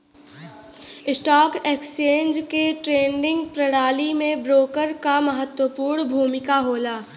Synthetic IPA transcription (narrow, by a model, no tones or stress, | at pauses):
ɪsʈɔːkeːkst͡ʃeːnd͡ʒkeʈɾeːɳɖɪ̃ŋɡpɾɐɽaːlimẽbɾoːkəɾkaməɦət̪wəpuːɾɳbʱuːmɪkaɦoːlaː